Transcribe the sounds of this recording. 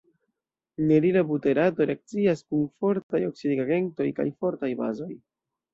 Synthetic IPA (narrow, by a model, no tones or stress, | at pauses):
ne̞ɾilabute̞ɾato̞ɾe̞ak̚t͡siaskunfo̞ɾtajo̞ksideɡaɡe̞nto̞jka̰jfo̞ɾtajba̰zo̞j